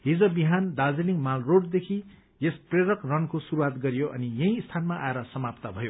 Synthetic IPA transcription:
ɦid͡zʌbiɦand̪ad͡zeliŋmalroɖd̪ekʰi | jespreɾʌkrʌnkosuɾuwat̪ɡʌɾjoʔʌ̰nijʌ̃ɦĩst̪ʰanmaʔaeɾʌsʌmapt̪abʱʌjo

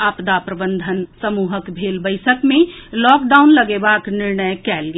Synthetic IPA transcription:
aːpd̪apɾəbə̃nd̪ʱənsəmuːɦəkbʱeːlbəɪsəkmẽlɔːkɖaːʊnləɡebaknɪɾnəjkɛːlɡe

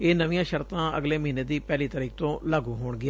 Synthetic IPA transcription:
eːnəʋijãːʃəɾt̪ãːə̰ɡleːməɦĩːneːd̪iːpɛːliːt̪əɾiːk̚t̪õːlaːɡũːɦoːɳɡɪa

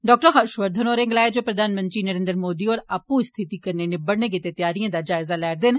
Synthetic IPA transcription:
ɖɔːk̚ʈəɦəʃʋəɾd̪ʱənoːɾẽːŋɡlaːed͡ʒoːpɾəd̪ʱaːnmə̃nt̪ɾiːnəɾẽːnd̪ɾəmoːd̪iːɔːɾaːpũst̪ʰɪt̪iːkəɾneːnɪbəɽneːɡit̪et̪ɪjaːɾijãːd̪aːd͡ʒaːɪzaːlɛːɾd̪ɪn

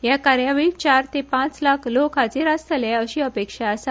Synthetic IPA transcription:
jakaɾjaʋit͡ɕaɾt̪epãt͡slakʰlokat͡seɾast̪əljaəɕiːəpekʂaːsa

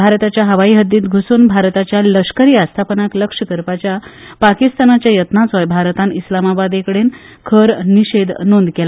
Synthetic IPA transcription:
bʱaɾt̪at͡ɕjaɦəʋaiːɦəd̪ːiːt̪ɡʱusuːnbʱaɾt̪at͡ɕjaləʂkəɾiːast̪ʰapənakləkʂəkəɾpat͡ɕja | pakist̪anat͡ɕjajət̪nat͡sɔjbʱaɾt̪anislamabad̪ekəɽen | kʰəɾniɕed̪nond̪kela

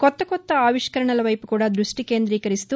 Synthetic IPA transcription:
kɔt̪ːɐkɔt̪ːɐaːʋiʂkɐɾɐɳɐlɐʋɐjpukuːɽaːd̪ɾuʂʈike̞ːnd̪ɾiːkɐɾist̪u

